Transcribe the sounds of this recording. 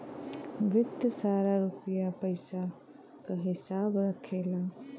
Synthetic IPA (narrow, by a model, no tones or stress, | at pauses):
ʋɪd̪saːɾaɾupjapəɪsa | kaɦɪsaːbɾəkʰela